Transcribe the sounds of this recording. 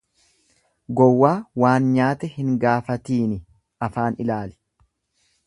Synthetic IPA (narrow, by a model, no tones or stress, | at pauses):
ɡɔwːaːwaːnɲaːt̪ɛhɪŋɡaːfɐt̪iːnɪ | ʔɐfaːnɪlaːlɪ̥